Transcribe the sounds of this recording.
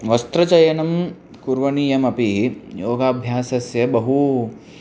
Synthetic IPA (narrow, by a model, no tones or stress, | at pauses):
ʋɐst̪ɾɐt͡ʃɐjɐnɐm | kuɾʋɐniːjɐmɐpiɦijoːɡaːbʱjaːsɐsjɐbɐɦu